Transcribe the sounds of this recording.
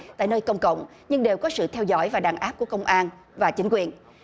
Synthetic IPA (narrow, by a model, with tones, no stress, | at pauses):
t̪a̰ː˧˨jnəː˧jkə˧wŋ͡mkə̰˧˨wŋ͡m | ɲɨ˧ŋɗe˨˩wkɔ˨˦sɨ̰˧˨t̪ʰɛ˧wzɔ̰˧˥jvaː˨˩ɗaː˨˩nʔaː˦˥p̚ku˧˩əkə˧wŋ͡mʔaː˧n | vaː˨˩t͡ɕï˨˦ŋ̟kwi˨˩ən